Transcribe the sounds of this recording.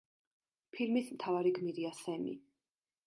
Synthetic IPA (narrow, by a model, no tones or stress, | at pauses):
pʰilmismt̪ʰavaɾiɡmiɾiasɛmḭ